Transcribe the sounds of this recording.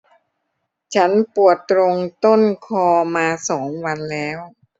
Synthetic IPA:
t͡ɕʰa˦˥npu˨˩ət̪̚ːɾo˧ŋt̪o˥˩nkʰɔː˧maː˧sɔː˩˦ŋwa˧nlɛː˦˥w

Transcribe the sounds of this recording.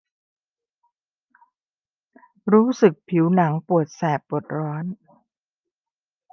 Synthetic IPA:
ɾuː˦˥sɯ˨˩k̚pʰi˩˦wna˩˦ŋpu˨˩ət̪̚sɛː˨˩pːu˨˩ət̪̚ɾɔː˦˥n

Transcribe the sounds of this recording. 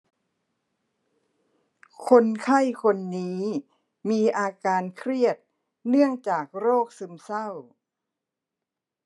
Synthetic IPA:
kʰo˧nkʰa˥˩jkʰo˧nːiː˦˥ | miː˧ʔaː˧kaː˧nkʰɾi˥˩ət̪̚ | nɯ˥˩əŋt͡ɕaː˨˩k̚ɾoː˥˩k̚sɯ˧msa˥˩w

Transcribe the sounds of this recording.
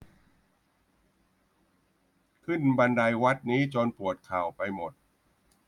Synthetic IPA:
kʰɯ˥˩nba˧nda˧jwa˦˥t̪̚niː˦˥t͡ɕɔː˧npu˨˩ət̪̚kʰaː˨˩wpa˧jmo˨˩t̪̚

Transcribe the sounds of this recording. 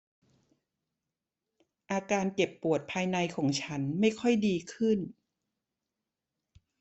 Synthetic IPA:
ʔaː˧kaː˧nke˨˩pːu˨˩ət̪̚pʰaː˧jna˧jkʰɔː˩˦ŋt͡ɕʰa˦˥nma˥˩jkʰɔ˥˩jdiː˧kʰɯ˥˩n

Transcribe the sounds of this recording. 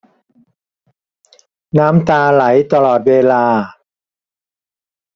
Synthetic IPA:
naː˦˥mt̪aː˧la˩˦jt̪a˧lɔː˨˩t̪̚weː˧laː˧

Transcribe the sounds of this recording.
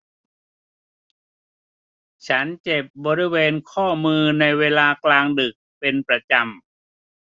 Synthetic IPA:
t͡ɕʰa˦˥nt͡ɕe˨˩p̚bɔː˧ɾi˦˥˩weː˧nkʰɔː˥˩mɯː˧na˧jweː˧laː˧klaː˧ŋdɯ˨˩k̚pe˧npɾa˧t͡ɕa˧m

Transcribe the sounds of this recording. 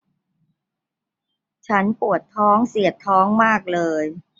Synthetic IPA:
t͡ɕʰa˦˥npu˨˩ət̪ʰːɔː˦˥ŋsi˨˩ət̪ʰːɔː˦˥ŋmaː˥˩k̚lɤː˧j

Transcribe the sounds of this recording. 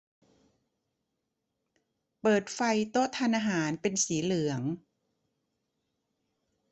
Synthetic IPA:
pɤː˨˩t̪̚fa˧jt̪o˦˥t̪ʰːaː˧nʔaː˧ɦaː˩˦npe˧nsiː˩˦lɯ˨˩˦əŋ

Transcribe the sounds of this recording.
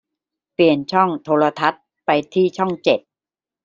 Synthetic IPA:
pli˨˩ənt͡ɕʰɔ˥˩ŋt̪ʰoː˧ɾa˧t̪ʰa˦˥t̪̚ | pa˧jt̪ʰiː˥˩t͡ɕʰɔ˥˩ŋt͡ɕe˨˩t̪̚

